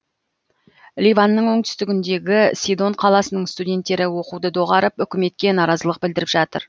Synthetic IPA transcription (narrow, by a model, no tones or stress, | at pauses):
lʲijvanːəɴwo̞ɴt̪ʰʏ̥st̪ɪɡʲɪnd̪e̞ɡʲɪsʲijd̪o̞ɴqʰɑlˠɑsənəɴst̪udʲe̞nt̪ːe̞ɾɪwo̞qud̪əd̪o̞ʁɑɾəpʏkʲɪme̞t̪̚kʲe̞nɑɾɑzəlˠəq̚bɪld̪ɪɾɪpʒɑt̪ə̰ɾ